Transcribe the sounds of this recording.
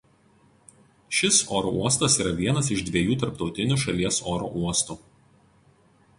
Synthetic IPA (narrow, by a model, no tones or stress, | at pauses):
ʃʲɪsoːɾoʔuɔst̪ɐsiːɾɐʋʲiɛnɐsɪʒd̪ʲʋʲiɛjuːt̪ɐɾpt̪ɒʊt̪ʲɪnʲuʃɐlʲiɛsoːɾo̰ʔuɔst̪uː